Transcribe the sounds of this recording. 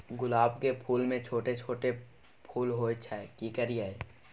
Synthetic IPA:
ɡʊlaːbkepʰuːlmẽt͡ʃʰoːʈet͡ʃʰoːʈe | pʰuːlɦot͡ʃʰaɛkikəɾijaɛ

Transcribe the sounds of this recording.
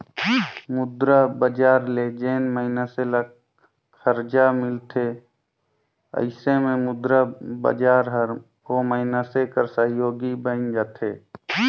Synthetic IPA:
mʊd̪ɾabəd͡ʒaːɾled͡ʒeːnməɦɪnasela | kʰəɾd͡ʒamɪlt̪ʰe | ə̰ɪsemẽmʊd̪ɾabə̰d͡ʒaːɾɦəɾ | ɦoməɦɪnasekəɾsəɦjoːɡibə̃nd͡ʒaːt̪ʰeː

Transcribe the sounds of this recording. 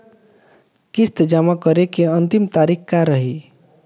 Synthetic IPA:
kist̪d͡ʒamakəɾekeənt̪imt̪aɾikkaɾəɦi

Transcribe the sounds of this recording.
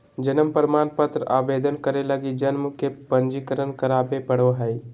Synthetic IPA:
d͡ʒənəmpəɾmanpət̪ɾəʔabed̪ʱənkəɾeləɡid͡ʒənməkepənd͡ʒikəɾənkəɾaːbepəɽoɦəj

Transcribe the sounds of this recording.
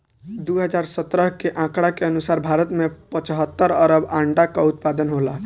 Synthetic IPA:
d̪uɦəd͡ʒaɾsət̪ɾəɦkeʔãkɽakeənusaɾbʱaɾət̪mepət͡ʃɦət̪ːəɾəɾəbãɳɖakaut̪̚pad̪ənɦola

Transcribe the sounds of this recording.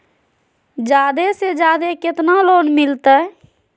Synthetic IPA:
d͡ʒaːd̪esed͡ʒaːd̪eket̪naloːnmɪlt̪ɛ

